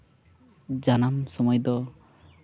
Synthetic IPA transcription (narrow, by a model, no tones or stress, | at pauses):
d͡ʒanamsɔmɔjd̪ɔ